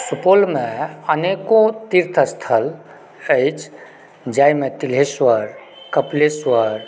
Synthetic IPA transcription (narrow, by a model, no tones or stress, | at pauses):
supolmeənekot̪iɾt̪ʰəst̪ʰəl | əjt͡ʃʰ | d͡ʒajmet̪ilɦeswəɾ | kəpleswəɾ